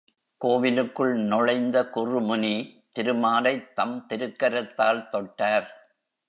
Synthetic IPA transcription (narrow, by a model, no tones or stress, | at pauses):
koːʋɪlɯkːɯɭnɔɻɐɪnd̪ɐkʊrɯmʊnit̪ɪɾɯmaːlɐɪt̪ːɐmt̪ɪɾɯkːɐɾɐt̪ːaːlt̪ɔʈːaːɾ